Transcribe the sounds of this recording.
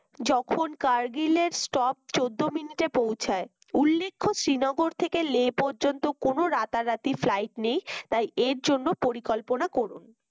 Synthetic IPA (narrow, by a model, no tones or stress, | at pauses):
d͡ʑɔkʰonkaɾɡileɾsʈɔp̚t͡ɕod̪ːominiʈepowt͡ɕʰae | ulːekʰːoʃɾinɔɡoɾt̪ʰekeleːpoɾd͡ʑont̪okonoɾat̪aɾat̪iflajʈnejt̪ajeɾd͡ʑonːopoɾikɔlponakoɾun